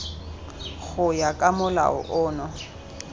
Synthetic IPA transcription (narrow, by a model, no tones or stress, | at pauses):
ɣʊjakʼamʊla̰ʊ̰ʔʊːnɔ